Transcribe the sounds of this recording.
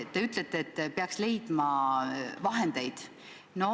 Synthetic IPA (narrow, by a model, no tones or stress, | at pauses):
t̪ːe̞yt̪let̪ˑːeːt̪ːpeɑksle̞jd̪̥mɑ | vɑɦe̞nd̪̥e̞jd̪̥ | no̞